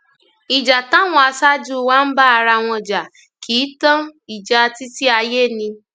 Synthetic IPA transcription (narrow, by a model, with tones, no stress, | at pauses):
i˨d͡ʒa˨ta˦w̃ɔ̃˧a˧sa˦d͡ʒu˦wa˦n̩˦ba˦a˧ɾa˧w̃ɔ̃˧d͡ʒa˨ | kʰi˨˦tã˦i˨d͡ʒa˧ti˦ti˦a˧je˦˨nĩ˧